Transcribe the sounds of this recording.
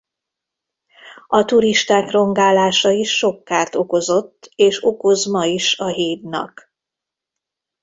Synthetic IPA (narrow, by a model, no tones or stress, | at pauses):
ɒt̪uɾiʃt̪aːkro̞ŋɡaːlaːʃɒiʃːo̞kːaːrt̪o̞ko̞zo̞t̪ːeːʃo̞ko̞zmɒiʃɒɦeːd̪nɒ̰k